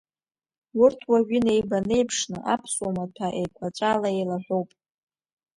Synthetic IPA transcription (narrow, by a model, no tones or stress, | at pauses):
wʊrtʰwaɥine̞jbane̞jpʰʂnɨʔapʰsʼwamatʰaʔejkʷʰat͡ʃʷʼalaejlaħᶣʷo̞wpʼ